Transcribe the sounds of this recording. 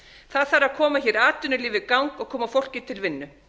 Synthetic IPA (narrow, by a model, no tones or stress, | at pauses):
θaðθaɾaðkʰɔːmaçɛɾaːt̪ʏnʏliːvɪkawŋkɔɣkʰɔːmafowl̥cɪt̪ʰɪlvɪnːʏ